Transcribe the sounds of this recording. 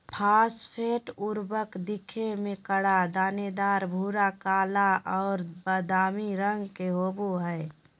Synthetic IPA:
pʰaːspʰeːʈʊɾbəkd̪ɪkʰemẽkəɽad̪aːned̪aːɾbʱuːɾakaːlaʔɔːɾbəd̪aːmiɾəŋɡkeɦoːboɦɛː

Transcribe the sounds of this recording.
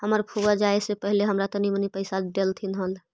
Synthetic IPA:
ɦəməɾpʰuɡəd͡ʒaesepəɦileɦəmɾat̪ɔnimənipəɪsaɖelt̪ʰinɦəl

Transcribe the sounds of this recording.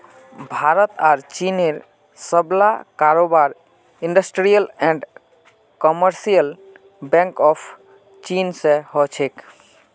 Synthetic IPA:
bʱaɾət̪aɾt͡ʃineɾ | səbla̰kaɾobaɾ | iɳɖəsʈɾijəlɛ̃ɳɖ | kɔməɾsijəl | bɛ̃ŋkɔpʰ | t͡ʃinsẽɦɔt͡ʃʰek

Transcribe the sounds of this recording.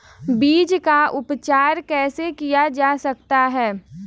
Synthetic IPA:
biːd͡ʒkaʔʊpt͡ʃaːɾkɛːsekijad͡ʒaːsɐk̚t̪aɦɛː

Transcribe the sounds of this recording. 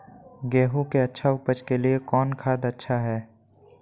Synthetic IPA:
ɡɛːɦukeɐtːʃʰaʊpət͡ʃkeliekɔːnkʰaːd̪ɐtːʃʰaɦɛː

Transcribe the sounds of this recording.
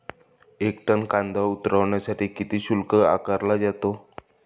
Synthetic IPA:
ekʈənkãnd̪aut̪ɾəʋɳjasaʈiːkit̪iːɕulkəa̰kəɾlad͡ʑat̪o

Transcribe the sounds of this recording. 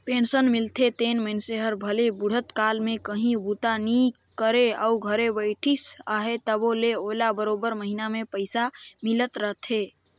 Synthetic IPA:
pensənmilt̪ʰet̪enmənseɦəɾbʱəlebuɽ̤ʱət̪kalmekəɦĩbut̪ani | kəɾea̰uɡʱəɾebəɪʈʰisaɦet̪əboleolabəɾobəɾməɦinamepəɪsamilət̪ɾəɦt̪ʰe

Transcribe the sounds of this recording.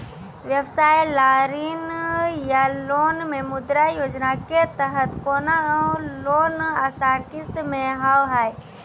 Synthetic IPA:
ʋjəwsaːjlaːɾinjaloːnmẽmʊd̪ɾajoːd͡ʒnaket̪əɦət̪koːnaloːnasaːʈɪst̪mẽɦawɦaːj

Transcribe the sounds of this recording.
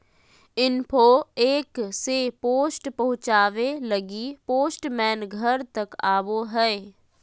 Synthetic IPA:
ɪnpʰoːeːksepoːsʈpɐɦʊ̃t͡ʃaːʋelɐɡipoːsʈmɛːnɡʱəɾt̪ɐkaːʋoɦɛː

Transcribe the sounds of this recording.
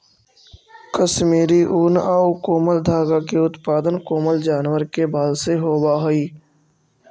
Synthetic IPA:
kəʃmiːɾiʔuːnaːukoːməld̪ʱaːɡakeʊt̪paːd̪ənkoːməld͡ʒaːnwəɾkebaːlseɦoːbaɦoiː

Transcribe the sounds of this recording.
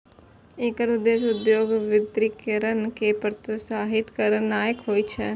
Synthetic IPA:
eːkəɾʊd̪eːʃʊd̪joːɡʋɪd̪ɾɪkəɾənkepəɾt̪saːɦɪt̪kəɾənːaːjəkɦoːiːt͡ʃʰɛː

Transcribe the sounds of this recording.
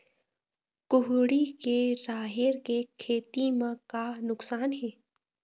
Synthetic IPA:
kʊɦɽikeɾaːɦɪɾkekʰeːt̪imãkanʊksaːnɦɛː

